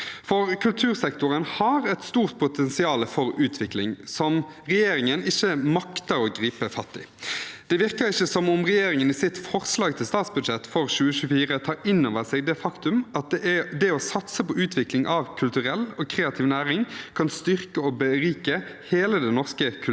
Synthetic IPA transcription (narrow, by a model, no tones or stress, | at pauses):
fɔʁkʰʉlt̪ʰʉːʁsɛkt̪ʊʁənhɑɾɛt̪st̪uːʁt̪̚pʰʊt̪ʰɛnsɪɑːləfɔɾʉːt̪ʰʋɪklɪŋsɔmʁɛjeːɾɪŋənɪçːəmɑkt̪əɾoːɡɾiːpəfɑt̪ːɪ | d̪̥ɛʋɪʁkəɾɪçːəsɔmʊmʁɛjeːɾɪŋəniːsɪt̪fɔʁslɑːɡt̪ʰɪlst̪ɑːt̪sbʉd̪ʃɛt̪ːfɔʁɕʉːəʃʉːfiːʁət̪ʰɑːʔɪnːoːʋəʁsɛɡd̪ɛfɑkt̪ʉmʔɑt̪̚d̪ɛd̪ɛɔsɑt̪səpɔʉːt̪ʰʋɪklɪŋʔɑʋkʰʉlt̪ʉʁɛlːoːkʰʁeːɑt̪ʰiːʋnæːɾɪŋkʰɑnst̪ʏʁkəoːbəɾiːkəheːləd̪ɛnnɔʁskək̪ʰ